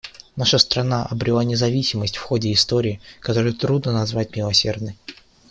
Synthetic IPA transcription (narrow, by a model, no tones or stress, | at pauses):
naʂəst̪ɾɐnaʔɐbɾʲɪlˠanʲɪzɐvʲisʲɪməsʲtʲfxodʲɪːst̪o̞ɾʲɪːkɐt̪o̞ɾɨjət̪ɾud̪nənɐzvat̚ʲmʲɪlˠɐsʲe̞rd̪nəj